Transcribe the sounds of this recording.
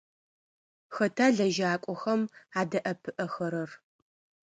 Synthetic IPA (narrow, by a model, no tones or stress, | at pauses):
xɐtʰaːɮɐʒaːkʷʼɔxɐmaːdɐʔɐpʰɨʔɐxɐɾɐr